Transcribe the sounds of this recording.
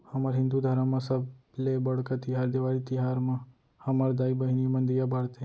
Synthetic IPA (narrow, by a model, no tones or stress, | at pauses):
hɐmaɾɦɪ̃nd̪ud̪ʱaːɾãmãsəblebɐɽkat̪ɪɦaːɾd̪eʋaːɾit̪ɪɦaːɾmã | hɐmaɾd̪aːibəɦinijmɐ̃nd̪ijabaːɽt̪e